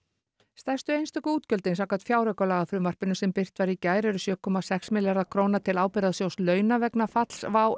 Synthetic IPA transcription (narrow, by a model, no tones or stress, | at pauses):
st̪ɛr̥st̪ʏejnst̪œkʏuːt̪cœlt̪ɪnsaːkːat̪fjaːwɾœkalaːɣafɾʏmvar̥pɪnʏsɛmpɪr̥t̪vaɾicaːjɾɛɾʏsjœːkʰɔmasɛksmɪljaɾakʰɾownat̪ʰɪlaːwpɪɾaðsjowslœːɥnavɛknafat̪l̥svaːw